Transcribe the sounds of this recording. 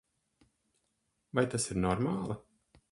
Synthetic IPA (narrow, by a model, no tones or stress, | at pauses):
vajt̪asiɾnɔɾmaːlˠa